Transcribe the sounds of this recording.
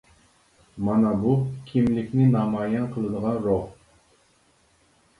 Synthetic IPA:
mɑnɑbukʲʰimlɪkʲnɪnɑmɑːjɑnqʰəlˠɨd̪əʁɑnɾoʁ

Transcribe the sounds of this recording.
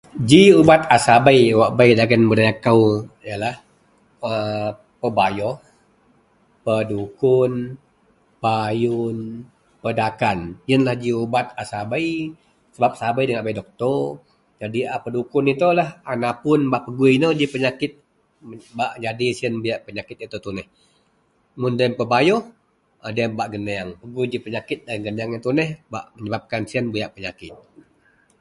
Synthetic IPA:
d͡ʒiubat̪̚asabajwaʔbaidaɡənbədajakawjalah | ə | pəbajɔh | pədukʊn | pajʊn | pədakanjənlahd͡ʒiubat̪asabaij | səbap̚sabajdəŋaʔbajdɔk̚t̪ɔ | d͡ʒadiapədukʊnit̪ulahanapʊnbaʔpəɡuinod͡ʒipəɲakɪt̪̚ | baʔd͡ʒadisiənbujaʔpəɲakɪt̪̚it̪ut̪unɛh | mundaəmpəbajɔh | adiəmbaʔɡənəaŋpəɡuid͡ʒipəɲakɪt̪̚daŋɡəneaŋjat̪unɛhba̰ʔməɲəbap̚kansiənbujaʔpəɲakɪt̪̚

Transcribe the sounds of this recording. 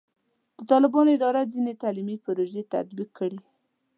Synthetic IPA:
d̪̥ət̪ɑlɪbɑnoɪd̪ɑɾad͡zinet̪alimipʊɾoʒet̪a̰d̪bikʰːəɽi

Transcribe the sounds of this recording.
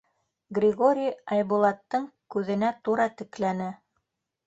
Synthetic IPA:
ɡrʲɪɡoɾʲijɑjbulˠɑt̪ːɤɴkʉðɘ̆næt̪uɾɑt̪ɘ̆klænɘ

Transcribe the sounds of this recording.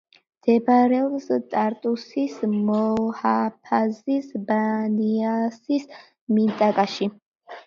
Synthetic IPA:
md̪̥ɛbɾɛɔbst̪ʼaɾt̪ʼusismɔhapʰazisbaniasis | mint̪ʼakʼaʃi

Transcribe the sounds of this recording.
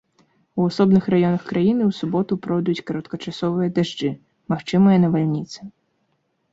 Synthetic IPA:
uasɔbnɨxrajɔnɐxkɾajinɨwsubɔt̪upɾɔwd̪ujut͡sʲkɐɾɐt̪kɐt͡ʂasɔvɨjɐd̪aʐd͡ʐɨ | maxt͡ʂɨmɨjɐnɐvalʲnʲit̪sɨ

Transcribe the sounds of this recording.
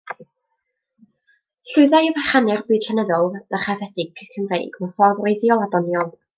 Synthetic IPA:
ɬʊɨðajɔvaχanɨrbɨːd̥ɬɛnəðɔlˠd̥əχavɛdɪɡ̚kʰəmrḛjɡməfɔðrejðjɔlˠadɔnjɔlˠ

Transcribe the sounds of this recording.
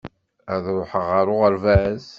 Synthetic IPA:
æðʊħəʁaɾˤʊʁəɾvæz

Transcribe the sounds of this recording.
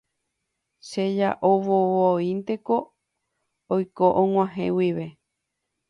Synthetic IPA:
ʃeja̰ʔoβoβoint̪e̞ko̞ | ojkoʔõŋ̃ʷãɦḛ̃wiʋe̞

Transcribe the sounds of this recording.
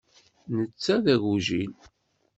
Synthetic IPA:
nət͡sːæðæʝuʒin

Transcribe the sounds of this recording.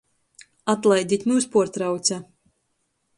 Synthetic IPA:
at̪lˠajd̪it̪ʲmuːspuɔɾt̪ɾawt̪sʲa

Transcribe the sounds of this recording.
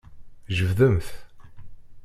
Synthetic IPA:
ʒəvðəmθ

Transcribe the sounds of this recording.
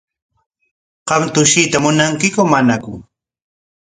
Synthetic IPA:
qɑmt̪ʊʃɪt̪amʊnaŋkɪkʊmanakʊŋ

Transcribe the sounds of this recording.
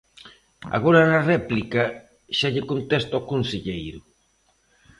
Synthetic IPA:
a̰ɣoɾanarɛplika | ʃaʎekont̪est̪aokonseʎejɾʊ

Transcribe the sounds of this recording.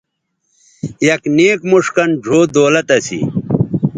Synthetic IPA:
jɐkneːkmuʂkɐnd͡ʑʱoːd̪oːlɐt̪ɐsḭ

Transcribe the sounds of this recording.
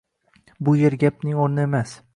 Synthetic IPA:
bʊjeɾɡʲap̚nɪŋoɾnɪemas

